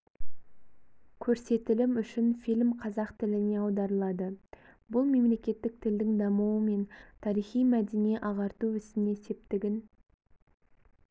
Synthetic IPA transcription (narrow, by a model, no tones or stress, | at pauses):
kʲʰɵɾse̞t̪ɪlɪmʏʃɪnfilʲmqʰɑzɑqt̪ʰɪlɪne̞ɑwd̪ɑɾəlˠɑd̪ə | bʊlˠme̞mle̞kʲe̞t̪ːɪk̚t̪ʰɪld̪ɪŋd̪ɑməwəme̞nt̪ʰɑɾijχijmæd̪enieʔɑʁɑɾt̪uʏst̪ɪnese̞p̚t̪ɪɡʲɪn